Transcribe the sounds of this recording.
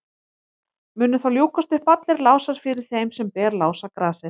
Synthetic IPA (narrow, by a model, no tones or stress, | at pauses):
mʏːnːʏθawljuːkast̪ʏhpat̪lɪɾlaːwsaɾ̥fɪɾɪɾ̥θejmsɛmpɛːɾlaːwsakɾaːsɪɾ